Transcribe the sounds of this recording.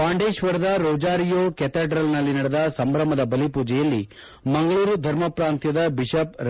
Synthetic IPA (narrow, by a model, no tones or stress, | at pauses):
paːɳɖeːʃʋɐɾɐd̪ɐɾoːd͡ʒaːɾijoːket̪eɖɾɐlnɐlːinɐɽɛd̪ɐsɐmbɾɐmɐd̪ɐbɐlipuːd͡ʒɛjɐlːi | mɐŋɡɐɭuːɾud̪ʱɐɾmɐpɾaːnt̪jɐd̪ɐbiʃɐpɾ